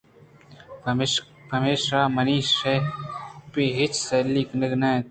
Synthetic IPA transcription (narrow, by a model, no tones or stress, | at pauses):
pɐmeːʃɾaːmɐniːʃe | piɦɪt͡ʃseliknɪɡnã